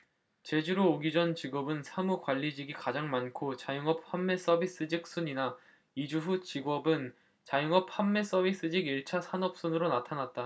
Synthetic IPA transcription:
t͡ɕe̞d͡ʑuɾoːɡid͡ʑʌnt͡ɕiɡʌbɯnsʰamukwaʎːid͡ʑiɡikad͡ʑaŋmankʰot͡ɕajuŋʌp̚hamːe̞s͈ʌbis͈ɯd͡ʑik̚s͈uɲina | id͡ʑuɸut͡ɕiɡʌbɯn | t͡ɕajuŋʌp̚hamːe̞s͈ʌbʱis͈ɯd͡ʑiɡiɭt͡ɕʰasʰanʌp̚s͈unɯɾonatʰanat̚t͈a

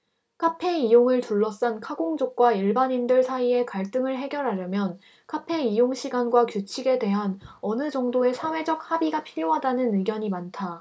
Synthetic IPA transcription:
kʰapʰe̞ijoŋɯɭtuɭːʌs͈ankʰaɡoŋd͡ʑok̚k͈waiɭbaɲindɯɭsʰaie̞kaɭt͈ɯŋɯɭɦe̞ɡjʌɾɦaɾjʌmjʌn | kʰapʰe̞ijoŋɕʰiɡanɡwakjut͡ɕʰiɡe̞dwe̞ɦanʌnɯd͡ʑʌŋdoe̞sʰawe̞d͡ʑʌk̚habiɡapʰiɾjoɦadanɯnɯɡjʌɲimantʰa

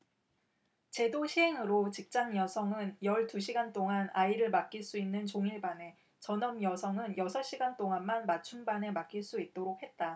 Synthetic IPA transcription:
t͡ɕe̞doɕʰiɦeŋɯɾot͡ɕik̚t͡ɕ͈anjʌsʰʌŋɯnjʌɭtuɕʰiɡant͈oŋanaiɾɯɭmak͈iɭs͈uinːɯnt͡ɕoŋiɭbane̞ | t͡ɕʌnʌmjʌsʰʌŋɯnjʌsʰʌɕ͈iɡant͈oŋanmanmat͡ɕʰunbane̞mak͈iɭs͈uit̚t͈oɾok̚he̞t̚t͈a

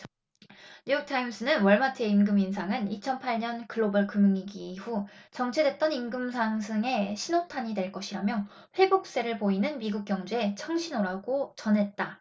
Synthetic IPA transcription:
ɲujuk̚tʰaims͈ʰɯnɯnwʌɭmatʰɯeimɡɯmins̬ʰaŋɯnit͡ɕʰʌnpʰaɭɲʌnkɯɭːobʌɭkɯmɯŋiɡiːɸut͡ɕʌŋt͡ɕʰe̞dwe̞t̚t͈ʌnimɡɯmsʰaŋsʰɯŋe̞ɕʰinotʰaɲidwe̞ɭk͈ʌɕʰiɾamjʌ | ɸwe̞bok̚s͈e̞ɾɯɭpoinɯnmiɡuk̚k͈jʌŋd͡ʑue̞t͡ɕʰʌŋɕʰinoɾaɡot͡ɕʌnɦe̞t̚t͈a

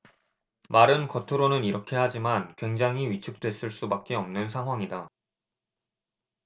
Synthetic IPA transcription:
maɾɯnkʌtʰoɾonɯniɾʌkʰe̞had͡ʑimankwe̞ŋd͡ʑaŋɦiɥit͡ɕʰɯk̚t͈we̞s͈ɯɭs͈ubak̚k͈e̞ʌmnɯnsʰaŋɦwaŋida

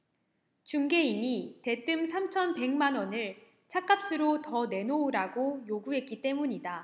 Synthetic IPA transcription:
t͡ɕuŋɡe̞iɲite̞t͈ɯmsʰamt͡ɕʰʌnpe̞ŋmanwʌnɯɭ | t͡ɕʰak͈ap̚s͈ɯɾotʌne̞noːɾaɡojoɡuɦe̞t̚k͈it͈e̞muɲida

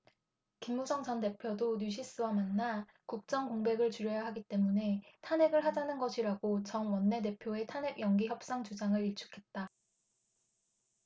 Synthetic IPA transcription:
kimːusʰʌŋd͡ʑʌnte̞pʰjodoɲuɕʰis͈ɯwamanːa | kuk̚t͡ɕ͈ʌŋkoŋbe̞ɡɯɭt͡ɕuɾjʌjaɦaɡit͈e̞mune̞tʰane̞ɡɯɭɦad͡ʑanɯnɡʌɕʰiɾaɡot͡ɕʌŋwʌnːe̞t̬e̞pʰjoe̞tʰane̞ɡ̚jʌŋɡiçjʌp̚s͈aŋt͡ɕud͡ʑaŋɯɾiɭt͡ɕʰu̥kʰe̞t̚t͈a

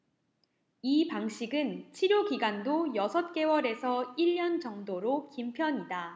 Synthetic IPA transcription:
ipaŋɕʰiɡɯnt͡ɕʰiɾjokiɡandojʌsʰʌt̚k͈e̞wʌɾe̞sʰʌiʎːʌnt͡ɕʌŋdoɾokimpʰjʌɲida

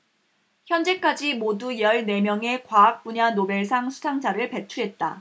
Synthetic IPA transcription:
çjʌnd͡ʑe̞k͈ad͡ʑimodujʌɭne̞mjʌŋe̞kwaːk̚p͈uɲanobe̞ɭs̬ʰaŋsʰu̥sʰaŋd͡ʑʰaɾɯɭpe̞t͡ɕʰuɦe̞t̚t͈a

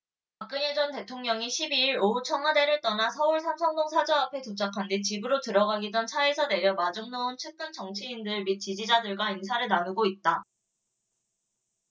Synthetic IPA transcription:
pak͈ɯɲed͡ʑʌnte̞tʰoŋɲʌŋiɕʰibiːɾout͡ɕʰʌŋade̞ɾɯɭt͈ʌnasʰʌuɭsʰamsʰʌŋdoŋsʰad͡ʑʌapʰe̞tut͡ɕ͈ʰakʰandit͡ɕibɯɾotɯɾʌɡaɡidʌnt͡ɕʰaesʰʌne̞ɾjʌmad͡ʑuŋnount͡ɕʰɯk͈ɯnt͡ɕʌŋt͡ɕʰiindɯɭmit̚t͡ɕ͈id͡ʑid͡ʑadɯɭɡwainsʰaɾɯɭnanuɡoit̚t͈a

